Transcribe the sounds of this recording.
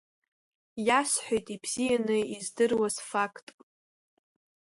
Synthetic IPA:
jasħʷᶣojtʼibz̥ijanɨizdɨrwazfakʼtʼ

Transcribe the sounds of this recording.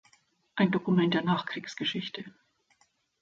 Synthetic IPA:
ʔaɪndokumɛnt̚d̥eːɐnaːχkʁ̥iːksɡ̥əʃɪçtʰə

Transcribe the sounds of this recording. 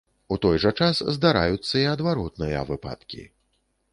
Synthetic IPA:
ut̪ɔjʐɐt͡ʂaszd̪aɾa̰jut̪sːɐiɐd̪vaɾɔt̪nɨjɐ̰vɨpa̰t̪kʲḭ

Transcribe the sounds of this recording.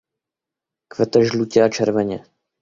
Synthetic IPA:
kvɛt̪ɛʒlucɛat͡ʃɛɾvɛɲɛ

